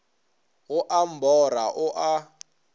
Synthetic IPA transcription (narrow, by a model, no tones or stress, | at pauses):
ɣʊʔam̩bɔɾaʔʊʔa